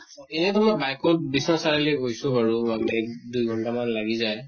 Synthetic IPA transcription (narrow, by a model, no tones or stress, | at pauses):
ɛnɛtɔmɔbajkɔt̚bisnɔsaɹaleɦojsʊbaɹuamkdujɡʱɔntamanlaɡizaj